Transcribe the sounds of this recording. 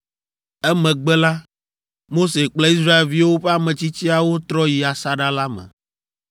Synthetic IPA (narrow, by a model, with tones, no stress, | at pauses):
ɛ˦mɛ̃˨ɡ͡bɛ˦la˦ | mo˦se˨k͡ple˦i˦s̬ɾa˦e˨lvi˦wo˦ɸɛ˦a˦˨mɛ̃˨t͡ɕi˦t͡ɕi˦a˨wo˦t̪ɾɔ˦ji˨a˨sa˦ɖa˦la˦mɛ̰̃˨